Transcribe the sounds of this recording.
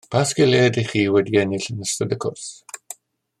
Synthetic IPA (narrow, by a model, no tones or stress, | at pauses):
pʰaːsɡ̥ɪleːdɪχiːwɛdiɛnɪɬənəstədəkʰʊrs